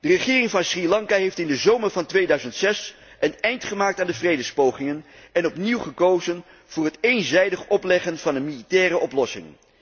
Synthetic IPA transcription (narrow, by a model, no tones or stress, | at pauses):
d̥ərəχɪːrɪŋvɑnsrilɑŋkaɦejftɪndəzowmərvɑntʋejdœɥzəntsɛs | ənɛjntχəmaːk̚taːndəvrejdəspowχɪŋənɛnɔpniwχəkowzən | v̥ʊːɹɦətejnzɛjdəχɔplɛχənv̥ɑnənmilitɛːrəʔɔplɔsɪ̰ŋ